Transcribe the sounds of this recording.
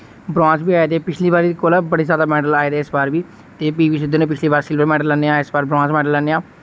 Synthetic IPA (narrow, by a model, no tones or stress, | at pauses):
bɾãːsbiːaːeːt̪eːpɪt͡ʃʰliːbaːɾeːd̪ikoːlaːbəɽiːzjaːd̪aːmɛːɖəlaːeːt̪eːɪsbaːɾbiː | t̪eːpiːʋiːsɪd̪ʱoːnẽːpɪt͡ʃʰliːbaːɾsɪlbəɾmɛːɖəlːɛːneːãːɪsbaːɾbɾãːsmɛːɖəlːɛːneːãː